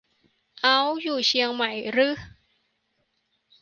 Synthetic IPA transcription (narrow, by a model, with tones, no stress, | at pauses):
ʔa˦˥wjuː˨˩t͡ɕʰi˧əŋma˩˦jɾɯ˦˥